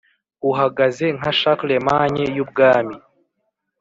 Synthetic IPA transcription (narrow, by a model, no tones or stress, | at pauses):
uɦaɡaze̞ŋ̥aʃaklemaɲejub̚ɡaːmi